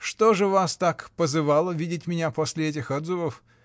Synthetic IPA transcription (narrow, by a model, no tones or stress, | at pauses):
ʂt̪oʐɨvast̪akpəzɨvalˠəvʲidʲɪtʲmʲɪnʲaposʲlʲɪɛt̬ʲɪxod̪zɨvəf